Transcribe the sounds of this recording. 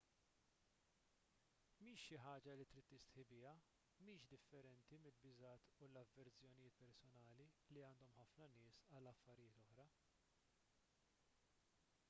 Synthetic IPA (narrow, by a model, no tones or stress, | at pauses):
miːʃːɪħɐːd͡ʒɐlit̪ɾiːt̪ːɪst̪ħɪbɪjɐ | miːʃd̪ɪfːɛɾɛnt̪imɪlbɪzɐːt̪ʰulɐvːɛɾt͡sjɔnɪjɪːt̪pɛɾsɔnɐːliliɐːnd̪ɔmħɐfnɐnɪːsɐlːɐfːɐɾɪjɪːt̪ɔħɾɐ